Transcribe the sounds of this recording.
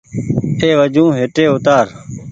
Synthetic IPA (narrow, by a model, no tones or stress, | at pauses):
eːʋəd͡ʒũːɦeʈeːʊt̪aːɾ